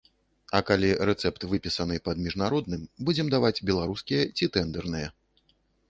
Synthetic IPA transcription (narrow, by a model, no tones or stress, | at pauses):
ɐkalʲiɾɛt̪sɛpt̪vɨpʲisɐnɨpɐd̪mʲiʐnaɾɔd̪̚nɨmbud͡zʲɛmd̪avad͡zʲbʲɛlˠaɾuskʲijɛt͡sʲit̪ɛnd̪ɛrnɨjɐ